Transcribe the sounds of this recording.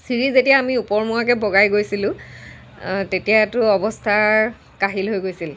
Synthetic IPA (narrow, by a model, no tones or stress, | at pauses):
siɹizetijaːmiupɔɹmuakɛbɔɡajɡojsilʊ̃ | tetijatʊɔbɔstʰa | kaɦilɦojɡojsil